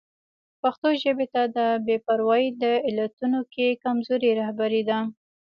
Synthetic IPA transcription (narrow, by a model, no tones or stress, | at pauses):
paxt̪oʒəbet̪ad̪əbepaɾwɑjid̪əɪlat̪unokekamzoɾeɾahbaɾid̪a